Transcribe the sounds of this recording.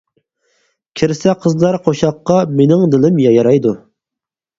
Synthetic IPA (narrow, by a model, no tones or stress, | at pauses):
kʲʰiɾsɛqʰəzlˠɑɾqʰoʃɑqːɑmenɪŋd̪ɪlɪmjɑjɑɾɑjd̪u